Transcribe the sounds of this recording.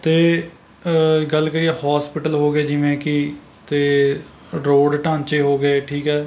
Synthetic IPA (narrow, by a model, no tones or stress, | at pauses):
t̪eː | ɡəlkəɾiːɛːhaːspɪʈəlɦoːɡeːd͡ʒɪʋẽːkɪ | t̪eː | ɾoːɖʈãːnt͡ʃeːɦoːɡeːʈʰiːkɛː